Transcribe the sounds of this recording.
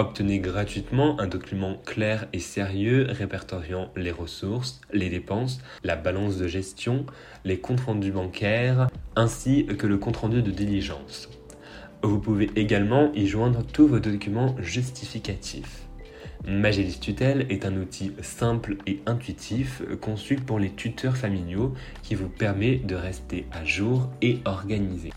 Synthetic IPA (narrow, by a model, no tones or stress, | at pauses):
ɔp̚t̪əneɡʁat̪ɥit̪mɑ̃ʔɛ̃d̪ɔkʲymɑ̃klɛʁeseʁjøʁepɛʁt̪ɔʁjɑ̃leʁəsuʁs | led̪epɑ̃s | labalɑ̃s̬d̪əʒɛst̪jɔ̃ | lekɔ̃t̪χɑ̃d̪ybɑ̃kʲʰɛʁɛ̃sikələkɔ̃t̪χɑ̃d̪yd̪əd̪iliʒɑ̃s | vupuveʔeɡalmɑ̃ʔiʒwɛ̃d̪ʁət̪uvod̪ɔkʲymɑ̃ʒys̬t̪ʰifikʲat̪ʰḭf | maʒelist̪yt̪ɛlɛt̪ɛ̃nut̪ʰisɛ̃pleɛ̃t̪ɥit̪ʰifkɔ̃sypuʁlet̪ʰyt̪ʰœʁfamiljo | kʲivupɛʁmɛd̪əʁɛst̪eaʒuʁeɔʁɡanize